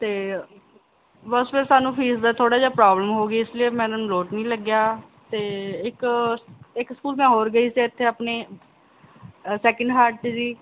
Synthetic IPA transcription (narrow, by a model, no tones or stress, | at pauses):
t̪eː | bəspʰɪɾsaːnũːpʰiːsd̪aːt̪ʰoːɽaːd͡ʒaːpɾaːbləmɦoːɡiːɪslieːmɛ̃ːñːloːʈnĩːləɡjaː | t̪eːɪk | ɪkskuːlmɛ̃ːɦoːɾɡəiːsiːɪt̪ʰːeːapneː | sɛːkəɳɖɦaːɾʈt͡ʃd͡ʒiː